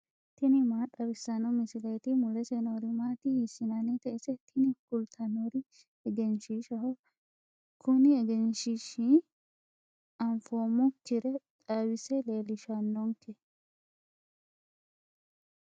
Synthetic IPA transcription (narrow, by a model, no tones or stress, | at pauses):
t̪ɪnɪmaːᶑɐbɪsːɐnɔmɪsɪlet̪ɪmʊlɛsɛnoːɾɪmaːt̪ɪhɪsːɪnɐnɛt̪ɐʔɛsɛt̪ʰɪnɪkʊlt̪ʰɐnoɾɪ | ɛɡɛnʃiʃɐhɔ | kʰʊnɪɛɡɛnʃiʃi | ɐmfoːmʊkɪɾɛt̪ʼɐwɪsɛleːlɪʃɐnːɔŋkʰɛ